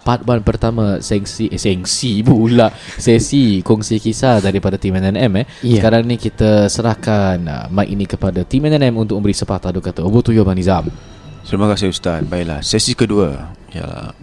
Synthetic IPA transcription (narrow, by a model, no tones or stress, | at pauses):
pat̪̚banpərt̪amãsɛŋsiʔsɛŋsibulaʔsɛsikɔŋsikisadaɾipadat̪imɛnɛnɛmɛsəkaɾaŋnĩkit̪əsəɾahkanə̰maiʔinĩkəpadat̪imɛnɛnɛmunt̪ʊk̚əmbəɾisəpat̪adukat̪aobot̪ujobanizam | səɾimakasɪust̪at̪̚baɪʔla̰hsɛsikəduə̰ | ja̰la̰